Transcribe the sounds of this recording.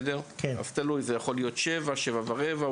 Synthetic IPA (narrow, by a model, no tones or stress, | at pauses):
deʁka̰z̥t̪alujzejaχo̞lijo̞t̪ʃevaʃevavaʁeva